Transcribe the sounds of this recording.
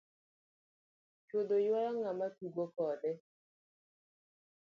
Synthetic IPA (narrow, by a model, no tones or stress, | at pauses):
t͡ʃod̪ojwajɔŋamatuɡokɔdɛ